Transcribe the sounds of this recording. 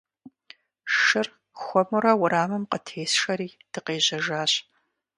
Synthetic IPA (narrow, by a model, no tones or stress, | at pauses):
ʃɨr | xʷɔmɨɾɐwʊɾaːmɨmqətʰeːsʂɐɾiːd̥ɨqeːʑɐʒaːɕ